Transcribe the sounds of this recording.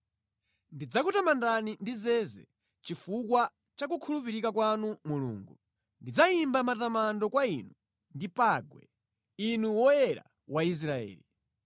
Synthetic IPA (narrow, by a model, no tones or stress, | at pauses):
ndid͡zakutamandanindizɛzɛ | t͡ʃifukwa | t͡ʃak̬ukʰulupiɾikakwanumulṵːŋɡu | ndid͡zaimbamatamandɔkwainu | ndipaɡwɛ̰ | inuwɔɛɾa̰ | wais̬ɾaɛ̰ːli